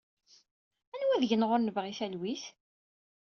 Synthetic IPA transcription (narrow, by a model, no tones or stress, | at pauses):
ænwæðʝənʁʊɾnəvʁiθælwiθ